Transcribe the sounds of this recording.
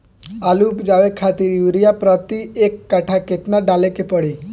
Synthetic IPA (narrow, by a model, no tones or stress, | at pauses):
alupd͡ʒaʋekʰat̪iɾjuɾijapɾɔt̪iekːaʈʰaket̪naɖalekepəɽi